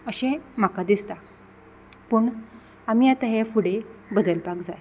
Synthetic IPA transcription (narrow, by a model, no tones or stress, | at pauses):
əɕɛ̃m̤akad̪ist̪a | puːɳ | amiːjat̪əɦẽfuɽebəd̪əlpakd͡zaj